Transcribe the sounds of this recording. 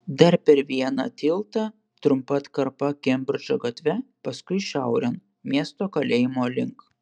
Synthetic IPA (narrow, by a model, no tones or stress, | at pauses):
d̪ɐɾpʲɛɾʋʲiɛnɐ̰t̪ʲɪlˠt̪ɐ | t̪ɾʊmpɐt̪kɐɾpɐkʲɛmʲbʲɾʲd͡ʒoɡɐt̪ʲʋʲɛpɐskʊɪʃʲɛˑʊɾʲɛn | mʲiɛst̪oːkɐlʲeːjɪmoːlʲɪŋk